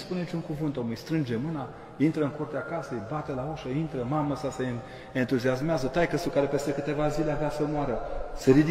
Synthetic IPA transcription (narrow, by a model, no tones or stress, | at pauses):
spuneit͡ʃuŋkuvɨnt̪omujst̪ɾɨnd͡ʒe̞mɨna | int̪ɾəɨŋkurt̪eakasejbat̪elaoʃəint̪ɾəmaməsase | ent̪uziasmeazət̪ajkəst̪ukaɾepe̞st̪e̞kɨt̪e̞vazileaveasəmoaɾəsəɾid̪i